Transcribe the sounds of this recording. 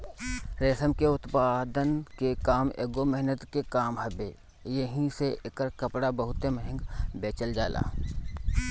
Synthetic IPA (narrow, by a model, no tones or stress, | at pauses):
ɾeːsəmkeʊt̪paːd̪ənkekaːmḛːɡoməɦnət̪kekaːmɦəbeː | jəɦĩseʔɪkəɾkəpɽabəɦʊt̪eməɦɪ̃ŋɡbeːt͡ʃəld͡ʒaːla̰ː